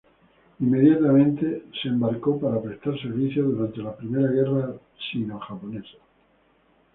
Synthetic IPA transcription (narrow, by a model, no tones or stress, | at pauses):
imːe̞ðjat̪amẽnt̪e̞seːmbaɾko̞paɾapɾest̪aɾseɾβiθjoðuɾant̪e̞lapɾime̞ɾaɣ̞e̞ra | sinoxapo̞nesḁ